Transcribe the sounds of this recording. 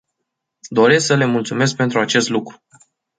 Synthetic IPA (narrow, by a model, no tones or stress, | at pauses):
d̪o̞ɾe̞sksəle̞mult̪sume̞sk̚pe̞nt̪ɾuat͡ʃe̞st̪lukɾu̥